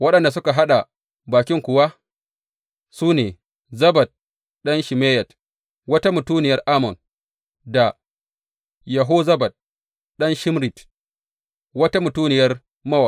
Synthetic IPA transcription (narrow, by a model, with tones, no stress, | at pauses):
wɐ˦ɗɐ˨nda˨s̬ʊ˦ka˨ɦa˦ɗa˨ | baː˨kʲɪ˦ŋkʷʊ˨wa˦ | suː˦neː˨ | zɐ˦bɐ˨t̚ | ɗɐ˦nʃi˨meː˦jɐ˨t | wɐ˦ta˦mʊ˨tuː˦nɪ˨jɐ˦rʔa˦mɔ˨n | da˨ | jɐ˨ɦoː˦zɐ˦ba˨t̚ | ɗɐ˦nʃɪ˦mɾi˨t | wɐ˦ta˦mʊ˨tuː˦nɪ˨jɐ˦r | mɐ˦wa˨